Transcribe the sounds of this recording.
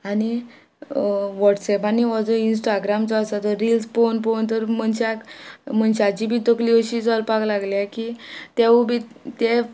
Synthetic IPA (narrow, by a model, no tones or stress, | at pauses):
ani | ʋɔʈsɛpaniɔd͡zɔinsʈaɡɾamt͡sɔːsat̪ɔɾilsponpont̪əɾm̤ənɕakm̤əɳɕad͡ʑibʱit̪əklioɕid͡zɔlpaklaɡljakit̪eubʱit̪e